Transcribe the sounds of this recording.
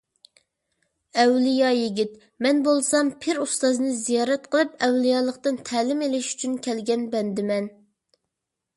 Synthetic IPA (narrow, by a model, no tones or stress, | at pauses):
ɛwlijɑjiɡʲit̪ | mɛnbolˠsɑmpʰɪɾust̪ɑznɨzijɑːɾɛt̪qʰəlˠɨpɛwlijɑːlˠəqt̪ɨnt̪ʰɛːlɪmelɪʃy̥t͡ʃʰynkʲʰɛlɡʲɛnbɛnd̪ɪmɛn